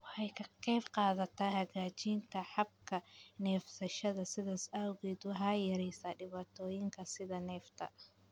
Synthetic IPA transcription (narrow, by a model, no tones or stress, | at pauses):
wɑħɑjkʰɐqɛbqɑːðɐt̪ʰaːhɐɣaːt͡ʃiːnt̪ʰɐħɑb̚kʰɐnɛːfsɐʃɐðɐsɪðasaːwɣɛːd̪wʊɦaːjɐɾɛjsaːɖɪβaːt̪ʰɔːjɪŋkʰɐsɪðɐnɛːft̪ʰɐ̰